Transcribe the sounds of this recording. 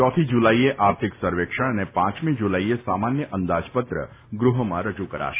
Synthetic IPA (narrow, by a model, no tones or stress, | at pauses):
t͡ʃɔt̪ʰid͡ʒulaieʔaɾt̪ʰiksəɾʋekʃəɽ̃ənepãt͡ʃmĩd͡ʒulaiesamanjəʔənd̪ad͡ʒpət̪ɾə̰ | ɡɾuɦəmãɾəd͡ʒukəɾa̰ʃ